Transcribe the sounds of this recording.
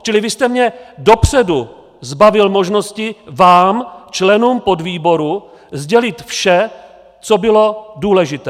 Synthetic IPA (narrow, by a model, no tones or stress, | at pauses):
t͡ʃɪlɪvɪst̪ɛmɲɛdo̞pr̝̥ɛdu | zbavɪlmo̞ʒno̞scɪvaːmt͡ʃlɛnuːmpo̞dviːbo̞ɾu | zɟɛlɪt̪fʃɛ | t͡so̞bɪlo̞duːlɛʒɪt̪ɛː